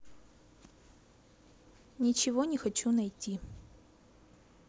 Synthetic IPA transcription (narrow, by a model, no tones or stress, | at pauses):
nʲɪt͡ɕɪvonʲɪxɐt͡ɕunɐjtʲi